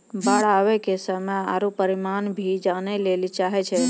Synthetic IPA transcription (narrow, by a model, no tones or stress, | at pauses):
baɭaʋekesəməa̰ɾũpəɾimanbʱid͡ʒanelelit͡ʃaɦet͡ʃʰe